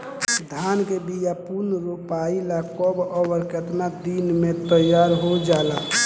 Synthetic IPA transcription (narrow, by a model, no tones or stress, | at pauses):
d̪ʱankebijapuɾnəɾupailakɔbɔbəɾkət̪nad̪inmẽt̪əjaɾɦod͡ʒaːla